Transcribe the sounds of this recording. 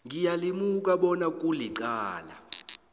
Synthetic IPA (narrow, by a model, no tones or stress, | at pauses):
ŋijalimukʼaɓɔnak̬ʼuliǃaːla̰